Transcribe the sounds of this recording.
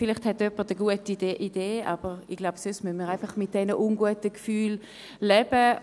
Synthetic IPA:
fɪlɪχthɛtœpəʁtəɡuətideʔid̥eːab̥əʁiɡ̥laʊbsøsmynmiːʁaɪnfɑχmɪt̚d̥ɛnəʔunɡuətəkfyːl | lɛb̥ə

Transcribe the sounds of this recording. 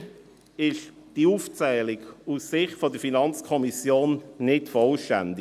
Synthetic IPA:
ɪʃd̥iuːft͡sɛːlɪɡusːɪχtfodəfinɑnt͡skʰɔmisjoːnnɪtfɔlʃtændɪ

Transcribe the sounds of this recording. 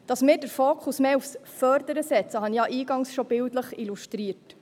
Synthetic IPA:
d̥ɑsmɪːɾdəɾfoːkʰusmeːufsfœɾd̪əɾəsɛt͡səɦɑnjɑʔiːɡɑŋsʃɔb̥ɪldləχiluʃtɾiət

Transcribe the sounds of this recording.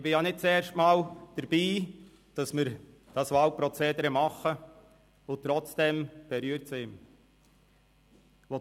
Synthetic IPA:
ɪbɪjanɪt̚t͡sɛːɾʃtmɑːld̥əɾb̥iː | d̥ɑsmɪɾ | d̥ɑsʋɑlpɾɔt͡seːd̪əɾəmɑχːə | ʊt̪ɾɔt͡sd̥ɛmb̥ɛɾyːəɾtsɪm | ʋɔ

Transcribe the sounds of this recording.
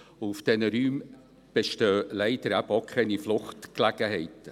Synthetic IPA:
uufd̥ɛnəɾyːm | b̥eʃtøːlɛɪd̥̪əɾæbəɔkʰɛniflʊχtklæɡ̥əɦɛɪtə

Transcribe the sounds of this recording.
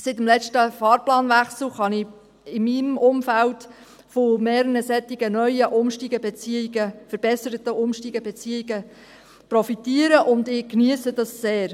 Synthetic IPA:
sɪt̪əmlɛt͡ʃtəfɑːɾplɑːnʋæχsl̩χɑnɪ | ɪmimʊmfælt | fomeːɾənəsɛtiɡənœʏəʔʊmʃtiːɡəbɛt͡siiɡəfəɾb̥ɛsəɾət̪əʔʊmʃtiːɡəbɛt͡siːiɡə | pɾɔfitiːəɾəʔʊnd̪ɪknyəsədɑsːeːɾ

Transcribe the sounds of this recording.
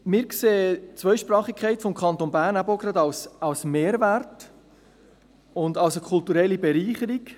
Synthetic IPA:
mɪːɾkseːət͡sʋœʏʃpɾɑːχikʰɛɪtfɔmkʰɑnt̪onbæːɾnæbəoɡɾɑd̪ɑwsɑwsmeːɾvært | ʊndɑwsəkʰʊltuɾɛlːibɛɾiːχəɾik

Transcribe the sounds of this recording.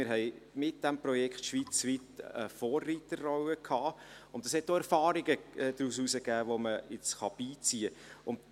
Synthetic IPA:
ɪɾɦɛɪmɪt̚d̥æmprɔjɛkχtʃʋiːt͡sʋitəfoːrːitəːɔwəkʰɑːʊndəshɛt̚doɛɾfɑːɾiɡəɛd̥̪ɾususəɡæːʋoməɪt͡sχɑb̥iːt͡siəʊnt

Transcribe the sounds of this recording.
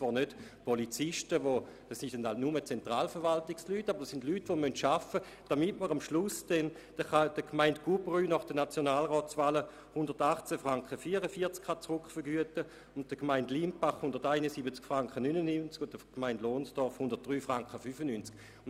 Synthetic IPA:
t͡sʋvaːɐnøtpolit͡sɪʃtəʋod̥ɑsindɛnhaltnumət͡sɛntʁaːlfəʁʋaltɪkslyːtːabəʁdəsindlyːtʋomøntʃafə | d̥amitməʁamʃlʊsd̥ɛn | d̥əχad̥əkʰmaɪntɡ̥ubʁyːnɔχd̥ənat͡sjonaːlʁɔːt͡svaːlə | hʊndəʁtaχt͡sɛfʁaŋkχəfiːəʁəfiɐt͡skχat͡sʁʊkχfəɐʁɡyətə | ʊnt̚d̥əkmaɪndlimpaχhundɐʁtaɪnəsibət͡skfʁaŋkχənynənynt͡skʊdəkmaɪndloːnsd̥ɔɐfhʊndɐt̚d̥ʁyːfʁaŋkχəfyfənynt͡sk̚

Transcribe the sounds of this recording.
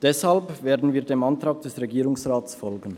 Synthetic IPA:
d̥ɛshalpveːɐdn̩viːɐdeːmantʁ̥aːɡ̚d̥ɛsʁeɡiːʁʊŋsʁaːtsfɔlɡən̩

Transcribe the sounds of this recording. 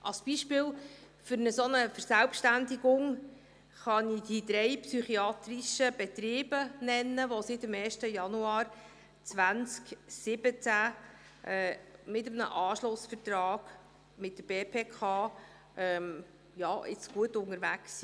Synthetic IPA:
ʔɑ̰lsb̥iʃpɪːl | fʏɾnəsonəfəɾsælpʃtændiɡʊŋ | χɑnid̥̪id̪ɾɛjpsyχiɑːt̪riʃəb̥ɛtɾiːb̥ənɛnːəʋosɪt̪ɪmɛːrʃtəjɑnuɑːɾ | t͡sʋænt͡sksɪb̥ət͡sæ | ʔɛːmɪtəmnə̰ʔɑːʃlʊsfərt̪ɾɑːɡ̥ | mɪt̚dəb̥eːpʰeːkʰɑː | ʔɛm | jɑːʔɪ̰t͡sɡ̥uətʊŋəɾvæksi

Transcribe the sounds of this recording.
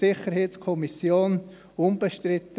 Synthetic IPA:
ɪχəɾheːtskʰɔmisjoːn | umb̥əʃtɾɪt̪ə

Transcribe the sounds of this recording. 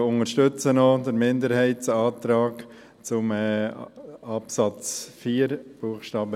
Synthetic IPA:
ʊŋəʃtʏt͡sənɔdəɾmɪndəɾhɛɪtsɑːtɾaːk | t͡sʊmɛ | ɑpsɑt͡sfiːɾb̥uəχʃtɑːbə

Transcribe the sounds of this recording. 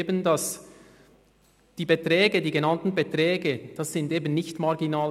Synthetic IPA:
bəndɑs | d̥iːbetʁɛːɡədiːɡenɑntn̩betʁɛːɡəd̥ɑsːɪndeːbən̩nɪçtmɑʁɡinaːl

